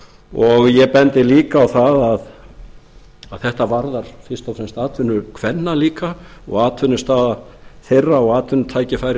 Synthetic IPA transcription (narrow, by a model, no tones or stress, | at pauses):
ɔɣjɛpɛnt̪ɪliːkaːwθaðað | aðθɛht̪avaɾðaɾ̥fɪst̪awsɛnst̪aːt̪ʰʏnːʏkʰv̥ɛnːaliːkaɔ̰ɣaːt̪ʰvʏnːʏst̪aːða | θejrːaɔɣaːt̪ʰvʏnːʏt̪ʰaːjcɪfaːjɾɪ